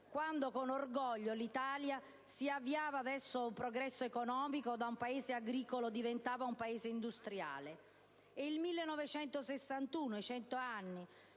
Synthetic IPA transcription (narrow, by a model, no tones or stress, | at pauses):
kwand̪okonorɡɔʎːolit̪aːlja | siavːiaːvavɛrsoumpɾoɡɾɛsːoekonɔːmikod̪aumpaeːzeaɡɾiːkolod̪ivent̪aːvaumpaeːzeind̪ust̪ɾja̰ːleː | ilmilːenɔvet͡ʃɛnt̪osesːant̪uːnoet͡ʃɛnt̪oanːi